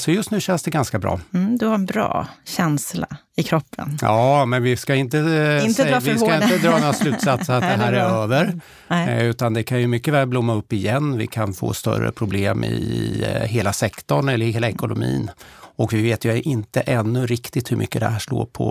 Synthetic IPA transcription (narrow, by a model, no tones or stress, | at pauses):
sɔjɵst̪nʉ̟ːɕɛnsd̪ɛɡanskabɾɑ̰ːd̪ɵhaɾɛnbɾɑ̰ːɕɛnsla̰ | ɪkʰɾɔpʰːə̰njɑːmɛnvɪskaɪnt̪əɪɪskaɪnəd̪ɾɑːnaslʉ̟t̪sat̪saat̪̚d̪ɛɦæːɾæɾøːvəɾ | ʉ̟ːt̪and̪ɛkʰanjɵmʏkːəvɛːlblʊmːaɵpːɪjɛnːvɪ̰kʰanfo̰ːst̪œ̰ɾə̰pʰɾʊbleːmɪ̰ | ɦeːlasɛkt̪ɔɳɛlːəɾheːlaɛkʊnʊmḭːnɔkvɪveːt̪jɵʔɪnt̪əʔɛnːɵɾɪkt̪ɪt̪hɵmʔʏ̰kːəd̪ɛ̰ɦæːʂɭo̰ːɾpʰɔ̰